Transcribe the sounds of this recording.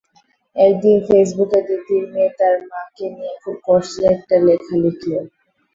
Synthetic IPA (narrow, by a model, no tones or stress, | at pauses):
ɛkd̪infes̬buked̪it̪iɾmiet̪aɾmãkenijekʰub̚kɔʃɛk̚ʈalekʰalikʰle